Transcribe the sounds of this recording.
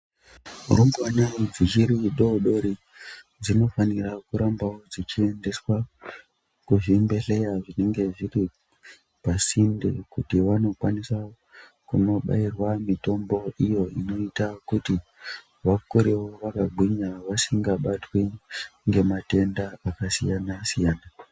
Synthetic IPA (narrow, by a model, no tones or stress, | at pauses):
urumbwanad͡zikiɾiɗoɗo̞ɾi | d͡zino̞fanirakuɾambawo̞d͡zit͡ʃie̞nde̞swa | kuʐimbe̞ɬe̞jaʐine̞ŋɡe̞ʐiri | pasindekutiʋano̞kwanisa | kuno̞ɓa̰irwamito̞mbo̞ʔijo̞ino̞itakuti | ʋakuɾewo̞ʋakaɡʱwiɲaʋasiŋɡaɓatweŋɡe̞mate̞ndaakasijanasijaːna